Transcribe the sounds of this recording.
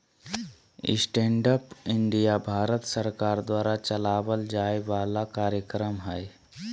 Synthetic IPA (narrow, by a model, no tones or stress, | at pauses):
ḭsʈeɳɖəpiɳɖijabʱaɾət̪səɾkaɾd̪ʋaːɾat͡ɕəlaʋəld͡ʒajʋalakaɾjəkɾəmɦaj